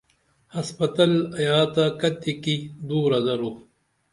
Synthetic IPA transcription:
hɐspɐt̪ɐlɐjaːt̪akɐt̪ikid̪uːɾɐzɐɾo

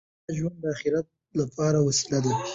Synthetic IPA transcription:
ʒwand̪d̪əaxɪɾat̪̚ | lapʰɑɾawasi̥lad̪a

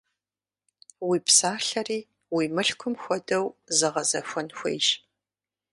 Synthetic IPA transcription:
wiːpsaːɬɐriː | wiːmɨɬkʷʰʊmxʷɔdɐwzɨʁɐzɐxʷɔnxʷḛjʃ

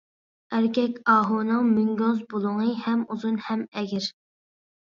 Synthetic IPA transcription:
æɾkʲɛkʲɑːɦunɨŋmyŋɡʲɔzbolˠʊŋɨhɛmuzunhɛmɛɡʲɪɾ

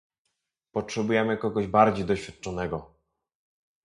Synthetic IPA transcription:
pɔtʂɛbujɛmɘkɔɡɔʑbaɾd͡ʑejd̪ɔɕfʲjat̪̚t͡ʂɔnɛɡɔ

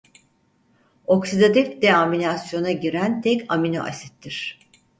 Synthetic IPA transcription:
o̞ksid̪ad̪ɛfd̪ɛaminasjo̞naɟiɾænt̪ʰɛcaminoʔa̰sɛt̪ʰːiɾ̝̥

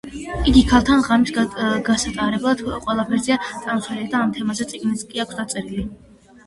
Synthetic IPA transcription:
iɡikʰalˠt̪ʰanʁamisɡasat̪ʼaɾɛblˠad̪̥qʼwɛlˠapʰɛɾziat̪sʼamsɛlid̪aːmt̪ʰɛmazɛt̪sʼiɡniskʼiakʷʰsd̪at̪sʼɛɾili

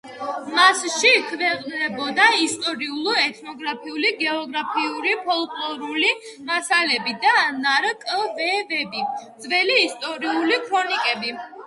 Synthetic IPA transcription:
masʃikʰvɛqʼnnɛbɔd̪aist̪ʼɔɾiulˠɔɛt̪ʰnɔɡɾapʰiuliɡɛɔɡɾapʰiuɾipʰɔlˠkʼlˠɔɾuli | masalɛbid̪anaɾkʼvɛvɛbid̪zvɛliːst̪ʼɔɾiulikʰɾɔnikʼɛbi

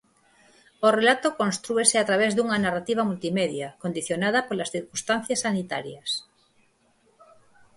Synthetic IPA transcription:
orelat̪okõnst̪ɾueseat̪ɾaβezðuŋanarat̪iβ̞amult̪imeðjakond̪iθjonaðapolasθiɾkust̪anθjasːanit̪a̰ɾjas

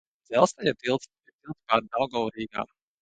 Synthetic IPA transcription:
d̪z̥ɛlˠst̪ajat̪ilˠt̪s | it̪ilˠt̪spaːɾd̪awɡɔwɾiːɡa̰ːm

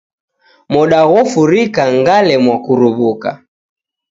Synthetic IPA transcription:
mɔɗaɣɔfuɾikaŋɡalɛmwakuɾuβuka̰

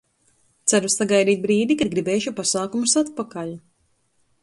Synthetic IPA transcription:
t̪sæɾusaɡajd̪iːt̪̚bɾiːd̪ikad̪̚ɡɾibɛːʃupasaːkumusat̪pakaʎu

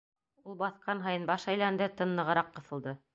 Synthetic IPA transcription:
ulˠbɑθqɑnɦɑjɤnbɑʃæjlænd̪ɘt̪ɤ̆nːˠɤ̆ʁɤ̆ɾɑqːɤ̆θɤ̆lˠd̪ɤ

